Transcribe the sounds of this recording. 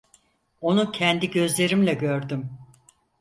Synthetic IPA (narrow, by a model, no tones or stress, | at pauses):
o̞nucʰɛnd̪iɟø̞zlʲe̞ɾimlʲɛɟø̞ɾd̪ym